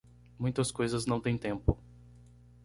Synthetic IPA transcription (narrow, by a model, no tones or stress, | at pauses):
mũj̃t̪ɐskojzɐznɐ̃w̃t̪ẽj̃t̪ẽmpʊ